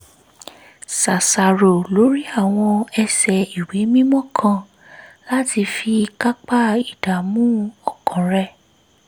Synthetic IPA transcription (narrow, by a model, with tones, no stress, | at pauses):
sa˨sa˨ɾo˨lo˨˦ɾi˦a˦˨w̃ɔ̃˧ɛ˧sɛ˨i˨we˨˦mĩ˦mɔ̃˦kʰã˦˧ | la˦ti˧fi˧ka˦k͡pa˦i˨da˨mũ˦ɔ˦˨kʰɔ̃˨ɾɛ˦˨